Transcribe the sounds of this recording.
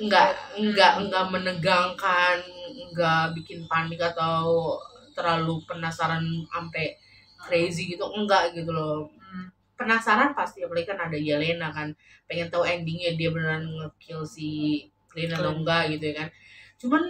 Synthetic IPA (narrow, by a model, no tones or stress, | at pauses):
əŋɡaʔəŋɡaʔŋɡaʔmənəɡaŋkanəŋɡaʔbikɪnpanɪkat̪awut̪ərlalupənasaɾana̰mpɛ | kɾeziɡit̪uŋɡaʔɡit̪ulɔ | pənasaɾanpast̪iaklaikanadad͡ʒalenakan | peŋɛnt̪auɛndɪŋɲadiabənəɾanŋəkɪlsih | klinadaŋɡaʔɡit̪ujakant͡ʃuman